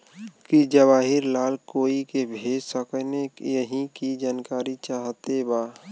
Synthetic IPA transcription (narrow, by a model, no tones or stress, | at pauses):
kid͡ʒəbaːɦɪɾlaːlkoːikebʱeːd͡ʒsəknejəɦĩkid͡ʒaːnkaːɾit͡ʃaːɦt̪ebaː